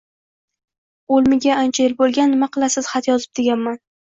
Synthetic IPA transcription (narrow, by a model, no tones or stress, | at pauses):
olˠmɪɡʲaant͡ʃʰajelbolˠɡʲanːɪmaqʰɨlˠasɪz̥χat̪jɒzɪb̚d̪eɡʲanman